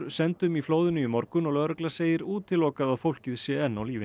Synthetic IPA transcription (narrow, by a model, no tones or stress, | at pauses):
ɾsɛnt̪ʏmifloːwðɪnʏimɔɾkʏnɔlœːɾœklaseːjɪɾuːt̪ʰːɪlːɔːkaðaðfowlcɪðsjɛɛnːawliːvɪ